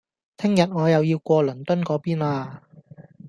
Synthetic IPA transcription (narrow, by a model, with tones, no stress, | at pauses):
t̪ʰɪ˥ŋjɐ˨t̚ŋɔː˨˧jɐ˨wjiː˧wkʷɔː˧lɵ˨˩nt̪ɵ˥nkɔː˨˥piː˥naː˧